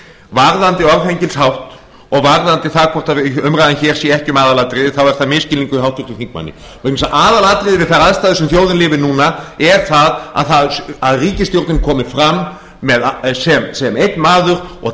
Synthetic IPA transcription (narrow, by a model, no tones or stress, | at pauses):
vaɾðant̪ɪɔɾfejɲcɪlshawht̪ | ɔɣvaɾðant̪ɪθaðkʰɔwht̪aʏmɾajðançɛːɾ̥siɛhcʏmaːðalat̪ɾɪðɪθawvɛɾ̥θaðmɪscɪliŋkʏihawht̪ʏ̥t̪ʏθiŋk̚ma̰nːɪ̰ | misaʔaːðalaːt̪ɾɪðɪvɪðθaɾaðst̪aːðɪsɛmθjoːwðɪnlɪːvɪnuːnaɛɾ̥θaða̰ðθaðaðriːcɪst̪jowɾt̪nɪmkʰɔːmɪfɾamː | ɛðsɛmsɛmejht̪nmaːðʏɾ̥ɔ̰ɣ